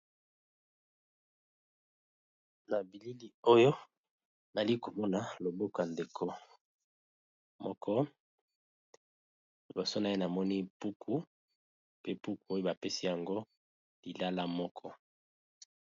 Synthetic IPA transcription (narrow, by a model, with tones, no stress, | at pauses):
na˨bi˨li˦li˦o˦jo˦ | na˨li˦ko˨mɔ˦na˨lo˨bo˦kja˨nde˨kʰo˦ | mɔ˦kʰɔ˦˨ | bo˨so˦na˨e˦na˨mɔ˦ni˦pu˦kʰu˦ | pe˦pu˦ku˨o˦jo˦ba˨pe˦si˦ja˨ŋɡo˦ | li˨la˦la˦mɔ˦kʰɔ˦